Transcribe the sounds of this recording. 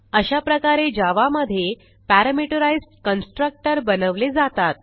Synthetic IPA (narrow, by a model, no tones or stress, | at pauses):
əɕapɾəkaɾed͡ʑaʋaməd̪ʱːje | pæɾəmiʈəɾajsʈkənsʈɾək̚ʈəɾbənəʋled͡zat̪at̪̚